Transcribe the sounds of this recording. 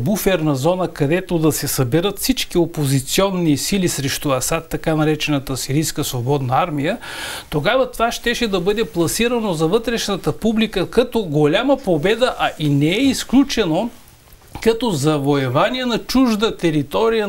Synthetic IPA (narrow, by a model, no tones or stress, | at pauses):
bufɛɾnɐzɔnəkɐd̪ɛt̪od̪ɐsɛsɐbɛɾət̪fsit͡ʃkiopozit̪siɔnːisilisɾɛʃt̪uɐsat̪ːɐkanɐɾɛt͡ʃɛnət̪əsiɾijskəsvobɔd̪nɐaɾmijə | t̪oɡavɐt̪ovaʃt̪ɛʃɛd̪ɐbɤd̪ɛplˠɐsiɾənozɐvɤt̪ɾɛʃnət̪əpublikəkɐt̪oɡolʲaməpobɛd̪əʔɐʔinɛɛisklʲut͡ʃɛno | kɐt̪ɔzɐvoɛvaniɛnɐt͡ʃuʒd̪ət̪ɛɾit̪ɔɾijə